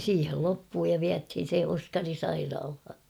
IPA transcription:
siːhel lopːuː jɑ ʋiæthin̞ se oskɑri sɑirɑːlhɑ

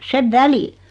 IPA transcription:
seʋ ʋæli

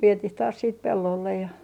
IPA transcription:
ʋietih tɑːs siːt pelːolːej jɑ

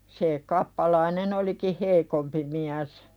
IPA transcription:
se kɑpːɑlɑinen oliki heikompi miæs

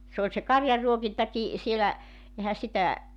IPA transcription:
s oːlʲ se kɑrjɑrːuokintɑki sielæ ehæ sitæ

